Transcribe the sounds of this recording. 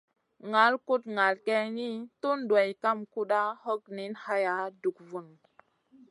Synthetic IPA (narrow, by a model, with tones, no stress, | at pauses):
ŋa˨˦lku˦tŋa˨lke˦ni˦tu˦ndwa˨jka˦mku˦ɗa˦ho˦k̚ni˨˦nha˦ja˨˦du˨kvu˨n